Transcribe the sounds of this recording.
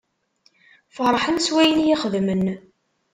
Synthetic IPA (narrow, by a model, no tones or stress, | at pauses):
fəɾˤħənswæjənjiχəðmən